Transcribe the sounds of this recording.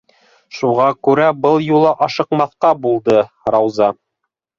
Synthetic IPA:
ʃuʁɑkʉɾæbɤlˠjulˠɑʔɑʃɤ̆qmɑθqɑbulˠd̪ɤ | ɾɑwzɑ

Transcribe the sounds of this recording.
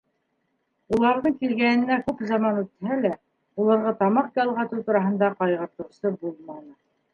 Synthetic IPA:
ulˠɑɾðɤŋkilɡænɘ̆nækʉpzɑmɑnʉt̪hælæ | ulˠɤ̆ɾʁɤt̪ɑmɑqjɑlˠʁɑt̪ut̪uɾɑɦɤ̆nd̪ɑqɑjʁɑt̪ɤ̆sɤbulˠmɑnɤ

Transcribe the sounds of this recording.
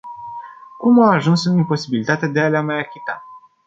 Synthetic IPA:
kumaːʒunsɨnimpo̞sibilit̪at̪ead̪ealeamajakʲit̪a

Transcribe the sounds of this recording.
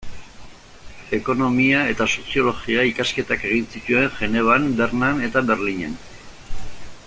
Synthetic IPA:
e̞ko̞no̞miae̞t̪aso̞sio̞lo̞ɣiaikaske̞t̪ake̞ɣinsit̪ue̞ŋʝe̞ne̞βanbe̞ɾnane̞t̪aβe̞ɾliɲen

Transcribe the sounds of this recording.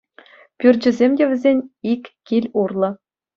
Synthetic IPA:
pʲyrʲd͡ʑɘ̆zʲemʲdʲeʋʲɘ̆zʲenʲikʲːilʲurlˠɤ̆

